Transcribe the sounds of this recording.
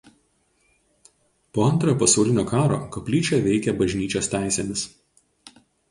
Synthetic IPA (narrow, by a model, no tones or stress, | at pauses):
poːɐnt̪ɾɐjɔːpɐsɐʊlʲɪnʲoːkɑːɾo̰ːkɐpʲlʲiːt͡ʃʲɛʋʲɛɪkʲɛbɐʒʲnʲiːt͡ʃʲoːst̪ʲæˑɪsʲeːmʲɪs